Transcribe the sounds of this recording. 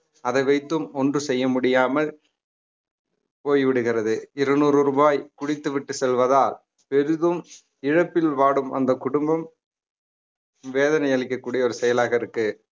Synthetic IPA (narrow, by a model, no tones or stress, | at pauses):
ɐðɐɪʋɐɪt̪ːɯmɔndrɯsɛjːɐmʊɽɪjaːmɐl | poːjʋɪɽɯɣɪrɐðɯɪɾɐnuːɾɾɯbaːjkʊɽɪt̪ːɯʋɪʈːɯsɛlʋɐðaːl | pɛɾɯðɯm | ɪɻɐpːɪlʋaːɽɯmʔɐ̰nd̪ɐkʊɽʊmbɐm | ʋeːðɐnɐjɐɭɪkːɐkːuːɽɪjɐɔɾɯsɛjɐlaːɣɐɪɾɯkːɯ